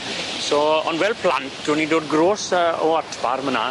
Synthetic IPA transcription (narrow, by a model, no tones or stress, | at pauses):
sɔɔ̰ndwɛlˠpʰl̥a̰ntd̥wənidoːd̚ɡroːsəɔatʰb̥a̰rməna